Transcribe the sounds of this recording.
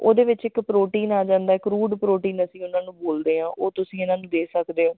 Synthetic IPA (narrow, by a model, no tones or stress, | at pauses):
o̰ːd̪eːʋɪt͡ʃɪkpɾoːʈiːnaːd͡ʒãːnd̪aːɪkɾuːɖpɾoːʈiːnəsĩːʊnaːnũːboːld̪eːɦãːʔoːt̪ʊsĩːɪnaːnũːd̪eːsəkd̪eːɦoː